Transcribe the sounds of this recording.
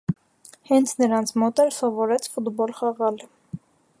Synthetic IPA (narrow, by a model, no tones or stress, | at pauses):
hɛnt͡sʰnəɾɑnt͡sʰmɔt̪ɛlsɔvɔɾɛt͡sʰfud̪bɔlχɑʁɑl